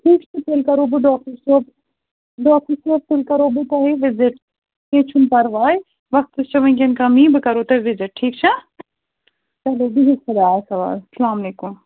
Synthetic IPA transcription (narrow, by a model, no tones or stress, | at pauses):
ʈʰiːkt͡ʃʰɐt̪elkɐɾoːbɨɖɔːk̚ʈəɾsoːp | ɖɔːk̚ʈəɾsoːp̚t̪ɪlkɐɾoːbɨt̪ɐɦeʋɪzɪʈ̚ | ẽːt͡ʃʰumpɐɾʋaːj | ʋɐxt̪ɨst͡ʃɐʋɐ̃nk̬enkɐmĩːbɨkɐɾoːt̪ɐʋɪzɪʈ̚ʈʰiːk̚t͡ʃʰɐ | t͡ʃɐloːbiɦisɐd̪aːsɐʋa̰ːlsɐlaːmɐleːkʊm